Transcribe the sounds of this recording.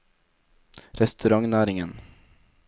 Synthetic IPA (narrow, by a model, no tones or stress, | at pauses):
ɾɛst̪ɵɾaŋnæːɾɪŋən